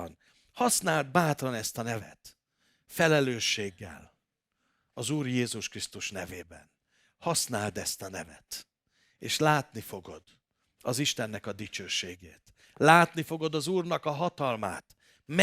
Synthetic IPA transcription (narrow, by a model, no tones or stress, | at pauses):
n | hɒsnaːld̪̚baːt̪rɒnɛst̪ɒnɛvɛ̰t̪ | fɛlɛløːʃːeːɡːɛ̰l | ɒzuːrjeːzuʃkrist̪uʃnɛveːbɛ̰n | hɒsnaːld̪ɛst̪ɒnɛvɛ̰t̪ | eːʃlaːt̪nifo̞ɡo̞d̪ | ɒziʃt̪ɛnːɛkɒd̪it͡ʃøːʃeːɡḛːt̪ | laːt̪nifo̞ɡo̞d̪ɒzuːrnɒkɒɦɒt̪ɒlma̰ːt̪ | m